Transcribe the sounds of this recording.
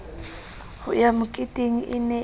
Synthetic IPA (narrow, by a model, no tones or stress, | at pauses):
hʊ̰jamʊkʼɪtʼeŋ̩ʔɪnɛ